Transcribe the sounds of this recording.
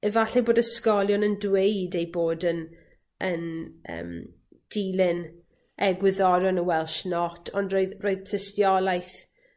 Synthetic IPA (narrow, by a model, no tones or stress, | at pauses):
ɛvaɬɛboːdəskɔlˠjɔnəndwejdejboːdən | ənə̰ːm | d̥ilɪn | ʔɛɡwɪðɔɾɔnəwɛlˠʃnɔtʰɔndroːɨðroːɨðtʰəstjɔlˠajθ